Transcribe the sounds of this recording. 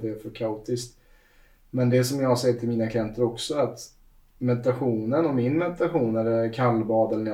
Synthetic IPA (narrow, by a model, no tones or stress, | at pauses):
d̪ɛæɾfœɾkʰaʊt̪ɪskt̪ | mɛnd̪ɛsɔmjɑːsɛjːəʈʰɪlmiːnakʰlɪjɛnt̪əɾɔksɔæt̪ | mɛd̪ɪt̪aɧuːnənɔmːɪnmɛd̪ɪt̪aɧuːnæɖɛkʰalːbɑːd̪ɛlːnj